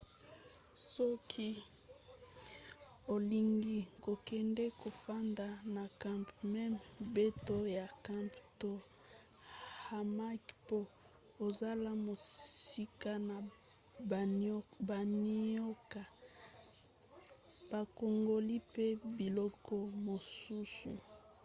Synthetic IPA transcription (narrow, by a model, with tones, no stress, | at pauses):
sɔ˦kʰi˦ | o˨li˨ŋɡi˦˨ko˨kɛ˨ndɛ˦ko˨fa˦nda˨na˨ka˦mpmɛ˦mbe˦to˦ja˨ka˦mpto˦ | ha˨ma˦kpo˦ | o˨za˦la˦mo˨si˦ka˦na˨ | ba˨ni˦o˦ka˨ | b̥a˨ko˨ŋɡo˨li˦pe˦bi˨lɔ˦kɔ˦mo˨su˦sṵ˨